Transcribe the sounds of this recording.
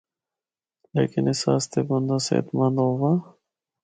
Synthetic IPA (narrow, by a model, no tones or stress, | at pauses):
lḛːkɪnɪsaːst̪ebund̪asḛt̪mand̪owa